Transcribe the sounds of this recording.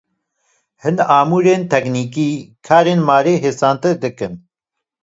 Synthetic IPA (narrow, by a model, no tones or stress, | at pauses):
hɨnaːmuːɾeːnt̪ʰɛkniːkiːkʰaːɾeːnmaːɾeːɦeːsaːnt̪ɨɾd̪ɨkɨn